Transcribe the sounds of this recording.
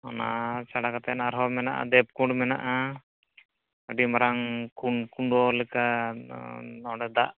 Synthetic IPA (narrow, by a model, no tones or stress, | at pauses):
ɔna̰t͡ʃaɽakat̪ɛnaɾɦɔmɛnaʔa̰d̪ɛp̚kuɳɖmɛnaʔa | əɖimaɾaŋkuɳɖkuɳɔlɛka | ɔɽɛd̪a̰ʔ